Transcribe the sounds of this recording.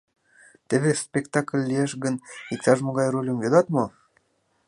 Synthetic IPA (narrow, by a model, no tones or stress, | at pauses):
t̪eβespʲekt̪ɑkəlʲːieʃɣənik̚t̪ɑʒmoɣɑjrolʲəmjod̪ɑt̪mo